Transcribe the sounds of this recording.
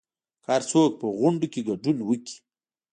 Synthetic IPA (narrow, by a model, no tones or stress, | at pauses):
kaɾt͡sok̚pəɣʊɳɖokeɡaɖunwəki̥